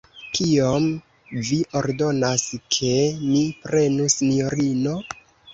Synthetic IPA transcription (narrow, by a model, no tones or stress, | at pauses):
kiom | viʔoɾdo̞naskʰe̞mipɾe̞nusinioɾino̞